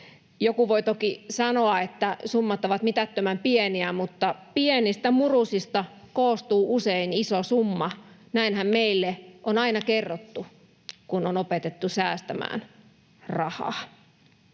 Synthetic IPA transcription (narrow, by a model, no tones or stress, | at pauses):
jokuʋoit̪okisɑnoɑet̪ːæsumːɑt̪oʋɑt̪mit̪æt̪ːømæmpieniæmut̪ːɑpienist̪æmurusist̪ɑ | koːst̪uːʔuseinisosumːɑnæinhæmmeilːeʔonɑinɑkerːot̪ːu | kunonopet̪et̪ːusæːst̪æmæ̰ːn | rɑhɑ̰ː